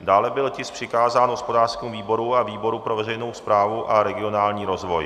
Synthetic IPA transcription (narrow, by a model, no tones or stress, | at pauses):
daːlɛbɪlcɪspr̥ɪkaːzaːnɦospo̞daːrskɛmuviːbo̞ɾuaviːbo̞ɾupɾovɛrɛjno̞wspɾaːvuʔaɾɛɡɪo̞naːlɲiːɾo̞zvo̞j